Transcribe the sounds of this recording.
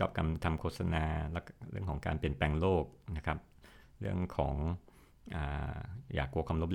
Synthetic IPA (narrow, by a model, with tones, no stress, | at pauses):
t͡ɕɔ̰ː˦˩p̚ka˧mt̪ʰa˧mkʰoː˥t̪̚sa˧naː˧lɛ˦˥ɾɯ̰˥˩əŋkʰɔː˩˦ŋka̰ː˧npi˨˩ənpɛː˧ŋloː˥˩k̚na˦˥kʰa˦˥p̚ɾɯ˥˩əŋkʰɔː˩˦ŋ | ʔa̰ː˨˩ja̰ː˨˩kːu˧əkʰwaː˧mlo˦˥p